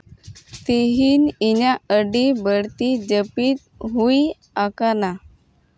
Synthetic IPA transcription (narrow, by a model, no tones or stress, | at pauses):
t̪eɦiːninaəɖibəɽt̪id͡ʑəpiːt̪̚ɦui | akana